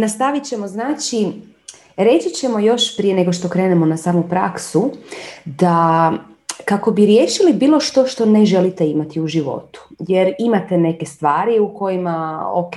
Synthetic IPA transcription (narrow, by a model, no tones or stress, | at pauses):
nast̪aʋit͡ɕe̞mo̞znaːt͡ʃi | ɾe̞t͡ɕit͡ɕe̞mo̞jo̞ʃpɾije̞ne̞ɡo̞ʃt̪o̞kɾe̞ːnemo̞nasaːmupɾaksu | d̪a | kako̞biɾje̞ːʃilibiːlˠo̞ʃt̪o̞ʃt̪o̞ne̞ʒe̞lit̪e̞imat̪iuʒiʋo̞̰t̪u̥je̞ɾimat̪e̞ne̞ke̞st̪ʋaːɾiuko̞jimao̰ke